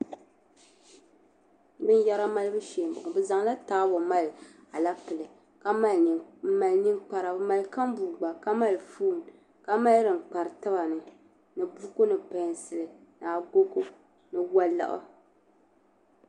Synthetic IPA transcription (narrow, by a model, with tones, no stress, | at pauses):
bɨ˦n˦ja˦ɾa˦ma˦lɨ˦bɨ˦ʃeː˨m˨bʊ̰˨ʔbɨ˦za˨ŋla˦taː˦bʊ˨ma˦lɨ˨ | a˨la˦pɨ˨lɨ˨ | ka˦ma˦lma˨lɲɨ˦ŋk͡pa˦ɾa˨bma˨lka˦m˦buː˨ɡ͡ba˨ka˦ma˦lfuː˦˨n˨ | ka˦ma˦ldɨ˨ŋ˨k͡pa˨ɾɨ˨tɨ˦ba˨nɨ˨ | nɨ˨bu˦ko˦nɨ˨pa˨n˨sɨ˨lɨ˨na˨ɡo˦ko˦ | nɨ˨wa˦la̰˦˨ʔʊ̰˦